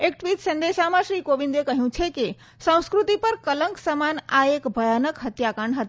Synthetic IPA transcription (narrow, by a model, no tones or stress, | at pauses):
ek̚ʈbit̪sənd̪esamasɾikobind̪ekəɦjũt͡ʃʰɛki | sə̃w̃skɾut̪ipəɾkələŋksəmana̰ekbʱəjanəkɦət̪jakəɳɖɦət̪